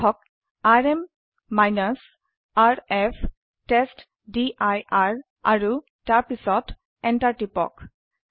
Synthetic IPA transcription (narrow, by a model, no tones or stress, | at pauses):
ɔk̚ | aɹemː | ajnas | aɹɛfʰ | tɛst | diʔajaɹ | a̰ɹu | taɹpisɔt | ɛntaɹʈipɔ̰k